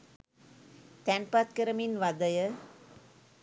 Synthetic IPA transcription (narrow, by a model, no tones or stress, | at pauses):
t̪ɛnpat̪̚kəɾəminʋad̪əjə